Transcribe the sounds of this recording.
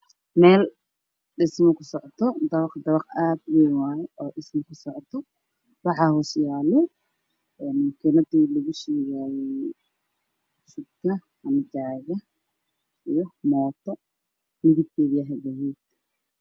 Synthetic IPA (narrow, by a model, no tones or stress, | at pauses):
mɛːl | ɖɪsmɔkʰʊsɔʕɔt̪ʰɔd̪ɐβɑqd̪ɐβɑqʔaːd̪wɛjwaːjɛʔɔːɖɪsmɔkʰʊsɔʕt̪ʰɔ | wɑħɑhuːsjaːlɛ | ɛːnmɐkʰɪnɐd̪iːlɐɣʊʃɛːɣaːjɛjj | sʊd̚kʰɐ | hɐnɪd͡ʒaːɣɐ | ijɔmɔːt̪ʰɔ | mɪɣɪd̪̚kʰɛːðiɐɦɛd̪ɐɦɛːd̪